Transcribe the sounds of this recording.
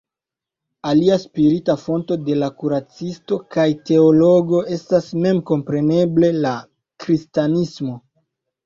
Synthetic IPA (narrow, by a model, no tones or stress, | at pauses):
aliaspiɾitafo̞nto̞de̞lakuɾat͡sisto̞kajte̞o̞lo̞ɡo̞e̞stasme̞mko̞mpɾe̞ne̞ble̞la | kɾistanismo̞